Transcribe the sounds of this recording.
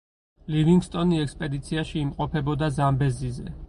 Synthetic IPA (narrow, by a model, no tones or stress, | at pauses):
liviŋɡst̪ʼɔniɛkspʼɛd̪it̪sʰiaʃiːmqʼɔpʰɛbɔd̪azambɛzizɛ